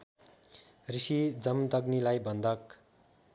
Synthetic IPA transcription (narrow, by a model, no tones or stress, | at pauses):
risid͡zʌmt̪ʌɡnilajbʌnd̪ʌk